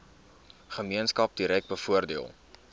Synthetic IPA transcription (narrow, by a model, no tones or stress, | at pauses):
χəmiənskɐp̚diɾɛk̚bəfuərdiəlˠ